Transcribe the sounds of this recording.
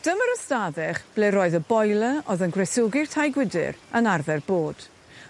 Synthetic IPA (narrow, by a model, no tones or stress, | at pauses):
d̥əməɾɔstaðɛχb̥leɾoːɨðəbɔjlˠəɔoðənɡrɛsʊɡɪrtʰajɡwɪdɪ̰rənarðɛrboːd̥